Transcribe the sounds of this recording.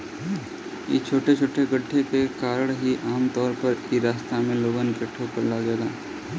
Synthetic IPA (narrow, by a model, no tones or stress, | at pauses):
jḛt͡ʃʰoːʈet͡ʃʰoːʈeɡɐɖʰʱːepekaːɾəɽ̃ɦiʔaːmt̪ɔːɾpɐɾiːɾaːst̪amẽloːɡənkeʈʰːokɐɾlad͡ʒeːɡaː